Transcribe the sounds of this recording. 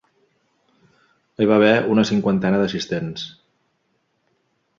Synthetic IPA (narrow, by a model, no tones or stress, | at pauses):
əjβaβɛunəsiŋkwant̪ɛnəðəsist̪ens